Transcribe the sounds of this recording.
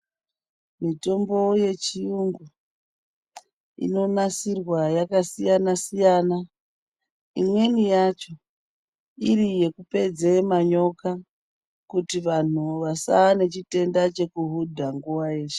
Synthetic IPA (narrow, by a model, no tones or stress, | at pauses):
mito̞mbo̞je̞t͡ʃijuŋɡu | ḭno̞nasirwajakasijanasijaːna | imwe̞nijat͡ʃo̞ | iɾije̞kupe̞d͡zemaɲo̞ka | kutiʋan̤uʋasaːne̞t͡ʃite̞ndat͡ʃe̞kuɦudʱaŋɡuʋaje̞ːʃe̥